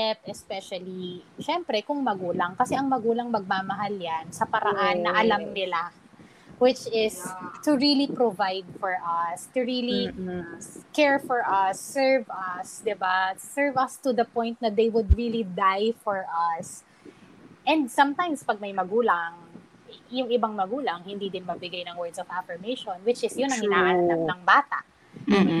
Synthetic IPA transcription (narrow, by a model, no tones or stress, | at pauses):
ɛpɛspɛʃɐliʃɛmpɾɛkʊŋmɐɡuːlɐŋkɐsɛʔɐŋmɐɡuːlɐŋmɐɡ̚maːmɐɦaljansɐpɐɾaʔannːɐʔɐlamnɪla | wɪt͡ʃɪst̪ʊɹilipɾovajd̪̚fɔɹʔɐst̪ʊɹili | kɛɹfɔɹʔɐsːɛɹvɐsd̪ɪbaːɛɹvɐst̪ʊd̪ɐpɔ̃j̃nt̪̚nɐd̪ejwʊd̪̚ɹilid̪ajfɔɹʔɐs | ʔɛ̃nd̪̚sɐmt̪ãjmspɐɡ̚mɐjmɐɡuːlɐŋ | jʊŋʔɪbaŋmɐɡuːlɐŋhɪnd̪id̪ɪnmɐɡ̚bɪɡajnɐŋwɛɹd̪sɔvafɛɹmejʃɔnwɪt͡ʃɪsjʊnɐŋɡɪnaːʔɐnnɐɐŋbaːt̪a̰ʔ